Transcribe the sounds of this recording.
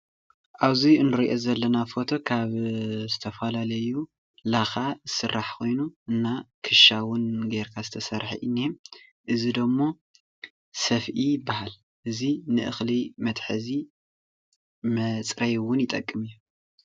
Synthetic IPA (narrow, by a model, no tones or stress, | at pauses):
ʔaβziɨnːɨɾiʔo̞zɐlːɐnafo̞t̪ʰo̞kʰaβzɨt̪ʰɐfɐlalɐju | laxazɨsɨrːaħkʰo̞jnuʔɨnːakʰɨʃawʊnɡeɾkʰazɨt̪ʰɐsɐɾħḭʔɨnːim | ʔɨzid̪omːo̞ | sɐfʔijɪbːahal | ʔɨzinɨʔɨxlimɐt̪ħɨzi | mɐt͡sʼɾɐjwʊnjɪt̪ʼɐkʼːɨmɨjːu